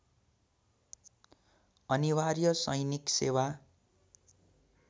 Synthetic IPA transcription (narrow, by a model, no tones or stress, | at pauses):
ʌniwarjʌsʌjniksewa